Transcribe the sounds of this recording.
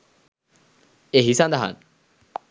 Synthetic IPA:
eɦisãnd̪aɦa̰n

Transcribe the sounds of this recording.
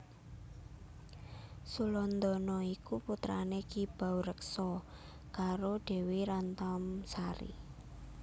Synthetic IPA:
sulɔnd̪ɔnɔikuput̪ɾa̰nekib̥a̤wɾəksɔ | kaɾoɖ̥ɛ̤wiɾant̪amsaɾḭ

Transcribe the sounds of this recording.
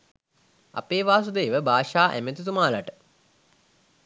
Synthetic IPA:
a̰peːʋaːsud̪eːʋəbʱaːʂaːʔæ̰met̪ut̪umaːlaʈə

